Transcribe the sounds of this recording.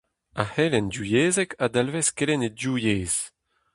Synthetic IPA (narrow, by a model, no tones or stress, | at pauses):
ahɛlɛndjujeːzɛkʰad̪alvɛskelɛnedjujeːz̥